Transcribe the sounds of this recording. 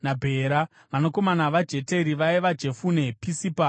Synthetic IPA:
nabʱe̞ːɾa | ʋanoko̞manaʋad͡ʒe̞te̞ɾiʋaiʋad͡ʒe̞fune̞pisipa

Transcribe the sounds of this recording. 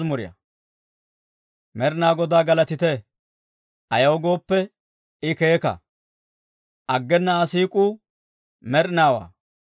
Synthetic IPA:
mʊɾɪjɐ̰ | mɛɾnaːɡɔd̪aːɡɐlɐt̪ɪt̪ɛ | ʔɐjɐwɡo̞ːpːɛ | ɪkeːkɐ̰ | ʔɐɡːɛnːɐːsiːkʼuː | mɛɾnaːwa̰ː

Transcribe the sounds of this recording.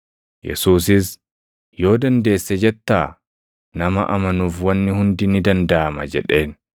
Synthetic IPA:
jɛ̰suːs̬ɪs | jo̞ːd̪ɐnd̪e̞ːsːɛd͡ʒɛt̪ːaː | nɐmɐ̰ʔɐmɐnuːfwɐnːɪhʊnd̪ɪnɪd̪ɐnd̪ɐʔamɐ̰d͡ʒɛᶑe̞ːn

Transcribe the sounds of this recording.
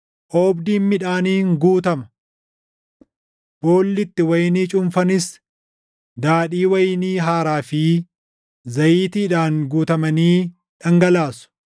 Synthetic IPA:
ʔoːbd̪iːnmɪᶑaːniːŋɡuːt̪ɐmɐ̥ | b̥o̞ːlːɪt̪ːɪwɐjniːt͡ʃʼʊmfɐnɪs | d̪aːᶑiːwɐjɪniːɦaːɾaːfi | zɐjiːt̪iːᶑaːŋɡuːt̪ɐmɐniː | ᶑɐŋɡɐlaːsʊ̥

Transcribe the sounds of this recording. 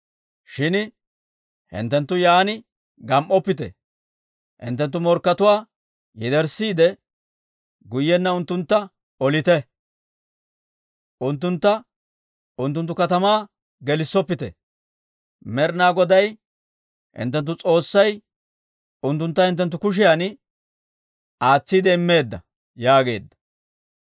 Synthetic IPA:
ʃɪn | hɪ̰nt̪ːɛnt̪ːʊjaːnɪ | ɡɐmʔɔpːɪt̪ɛ̰ | hɪ̰nt̪ːɛnt̪ːʊmɔɾkːɐt̪ʊwaː | jɛd̪ɛɾsiːd̪ɛ | ɡʊjːɛnːɐʊnt̪ːʊnt̪ːɐ | ɔlɪt̪ɛ | ʔʊnt̪ːʊnt̪ːɐ | ʊnt̪ːʊnt̪ːʊkɐt̪ɐmaː | ɡɛlɪsːɔpːɪt̪ɛ̰ | mɛɾnaːɡɔd̪ɐj | hɪ̰nt̪ːɛnt̪̬ːʊt͡sʼo̞ːsːɐj | ʊnt̪ːʊnt̪ːɐhɪnt̪ːɛnt̪ːʊkʊʃ̬ɪjaːn | aːt͡sːid̪ɛɪmːe̞ːd̪ːɐ | jaːɡe̞̰ːd̪ːɐ̥

